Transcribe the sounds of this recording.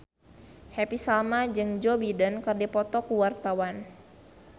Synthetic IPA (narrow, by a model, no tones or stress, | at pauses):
hɛpisalmad͡ʒɨŋd͡ʒɔbidənkɨrdipɔt̪ɔkuwart̪awan